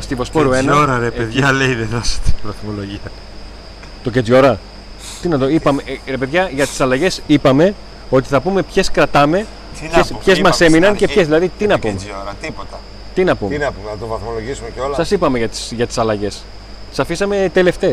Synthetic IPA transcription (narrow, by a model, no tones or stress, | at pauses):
st̪ivo̞spoɾuenɐoɾɐɾepeðʝɐleiðeðɾɐst̪i̥vɐθmoloʝiɐ | t̪ocet͡so̞ɾɐ | t̪inɐt̪oipɐmeɾe̞pe̞ðʝɐʝɐt̪i̥sɐlɐʝe̞sipɐme̞ | o̞t̪i̥θɐpume̞pçe̞skɾɐt̪ɐme̞ | espçezmɐse̞minɐnceçezðilɐðit̪inɐpumet̪ipot̪ɐ | t̪inɐpṵmɐuɐt̪ovɐθmoloʝisumeosɐsipɐme̞ʝɐt̪i̥sʝɐt̪i̥sɐlɐʝe̞s | sɐfisɐme̞t̪e̞le̞ft̪e̞s